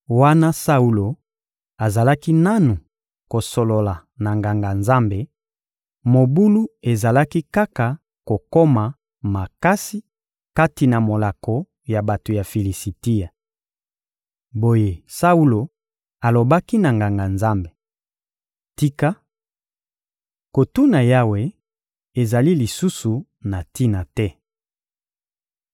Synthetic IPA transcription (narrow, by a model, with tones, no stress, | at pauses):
wa˦na˦sa˦u˦lo˨ | a˨za˨la˦ki˦na˦nu˨ | ko˨so˨lo˨la˨ | na˨ŋɡa˨ŋɡa˨nza˦mbe˨ | mo˨bu˦lu˦e˨za˨la˦ki˦ka˦ka˨ | ko˨ko˦ma˨ | ma˨ka˦si˦ | ka˦ti˨na˨mo˨la˨ko˨ | ja˨ba˨to˨ja˨fi˨li˨si˨ti˦ja˨ | bo˦je˦sa˦u˦lo˨ | a˨lo˨ba˦ki˦na˨ŋɡa˨ŋɡa˨nza˦mbe˨ | ti˦ka˦ | ko˨tu˦na˨ja˦we˨ | e˨za˨li˦li˨su˦su˨ | na˨ti˦na˨tɛ˦